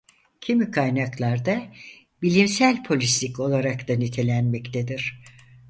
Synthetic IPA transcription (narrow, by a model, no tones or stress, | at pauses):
cʰimykʰajnaklˠaɾd̪a | bilʲimsælʲpʰo̞lʲislʲiko̞lˠaɾakt̪anit̪ʰe̞lʲænmɛct̪ʰed̪iɾ̥